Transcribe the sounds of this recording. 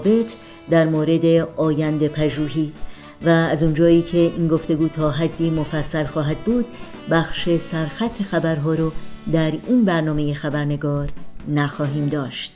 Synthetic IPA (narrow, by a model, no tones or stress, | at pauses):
be̞t̪ʰ | d̪æɾmoːɾe̞d̪e̞ɒːjænd̪epʰæʒuːɦiː | væːzund͡ʒɒːiːcʰe̞ʔiːnɡo̞ft̪e̞ɡuːt̪ʰɒːɦæd̪ːiːmofæsːælxɒːɦæd̪̚buːd̪̥̚ | bæxʃe̞sæɾxæt̪ʰːe̞xæbæɾɦɒːɾɔd̪æɾiːnbæɾnɒːmejexæbæɾne̞ɡɒːɾnæxɒːɦiːmd̪ɒːʃt̪